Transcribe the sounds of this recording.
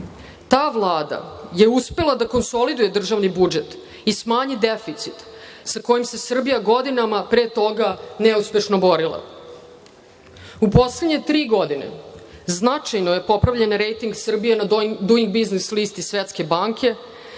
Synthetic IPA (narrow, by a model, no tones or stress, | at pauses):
t̪aːʋlˠaːd̪a̰je̞uspe̞lad̪ako̞nso̞lid̪uje̞d̪r̩ʒaʋnibud͡ʒet̪ | ismaːɲid̪efit̪sit̪ | sako̞jimse̞sr̩bijaɡo̞d̪inamapɾeːt̪o̞ɡaneuspʲe̞ʃnobo̞ɾilˠa̰ | upo̞sledɲe̞t̪ɾiːɡo̞d̪inḛ | znat͡ʂajnoje̞po̞pɾavʎenɾejt̪iŋɡsr̩bijenad̪uiŋɡ̚biznislist̪isʋet̪ske̞baŋkʰe̞